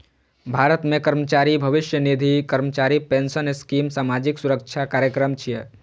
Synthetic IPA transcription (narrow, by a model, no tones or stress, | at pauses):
bʱaːɾət̪mẽkəɾmət͡ʃaːɾibʱəʋɪʃjənid̪ʱikəɾmət͡ʃaːɾipensənɪskiːmsaːmad͡ʒɪksuɾək̚t͡ʃʰakaːɾjəkɾəmt͡ʃʰije